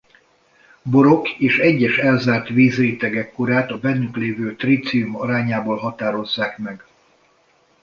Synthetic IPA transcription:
bo̞ɾo̞keːʃɛɟːɛʃɛlzaːrt̪viːzreːt̪ɛɡɛkːoɾaːt̪ɒbɛnːykleːvøːt̪riːt̪sijumɒɾaːɲaːboːlɦɒt̪aːɾo̞zːaːkmɛɡ

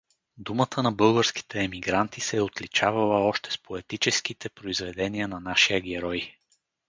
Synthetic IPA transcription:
d̪umət̪ʰənɐbɤlˠɡəɾski̥t̪ɛːmiɡɾant̪isɛot̪lit͡ʃavɐlˠəɔʃt̪ɛ̥spoɛt̪it͡ʃɛskit̪ɛpɾoizvɛd̪ɛniənɐnaʃijəɡɛɾɔj

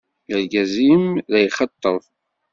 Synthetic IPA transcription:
ləlɡæzimðæjχɑt̪ˤːəðˤ

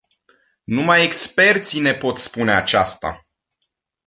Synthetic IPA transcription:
numaje̞kspe̞rt̪sine̞po̞t̪spune̞at͡ʃast̪a̰

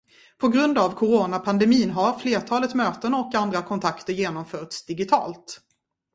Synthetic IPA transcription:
pʰɔɡɾɵnd̪avkʰʊɾoːnapʰand̪ɛmiːnɦaɾfleːʈʰɑːlət̪møːt̪ənɔkand̪ɾakʰɔnt̪ʰakt̪əɾjeːnɔmfœːʈsd̪ɪɡɪt̪ʰɑ̰ːlt̪

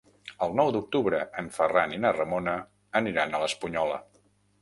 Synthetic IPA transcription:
əlˠnɔwd̪uk̚t̪uβɾəəɱfəraninərəmonə | əniɾanələspuɲɔlə̰

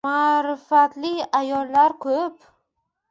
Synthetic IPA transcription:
aɾɪfat̪lɪajɒlˠːaɾkʰɵp

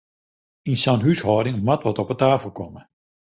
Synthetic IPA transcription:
insanɦyshɔːdɪŋmatʋɔtɔpətaːfəlˠkɔmə

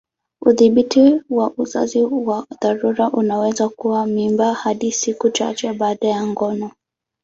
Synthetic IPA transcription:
uðiɓitiwaʔuza̰ziwaðaɾuɾaʔunawɛzakuwamimbahaɗisikut͡ʃa̰t͡ʃɛɓaːɗajaŋɡɔnɔ

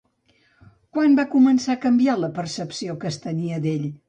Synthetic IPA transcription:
kwambakumənsakəmbialəpərsəpsiokəst̪əniəd̪eʎ

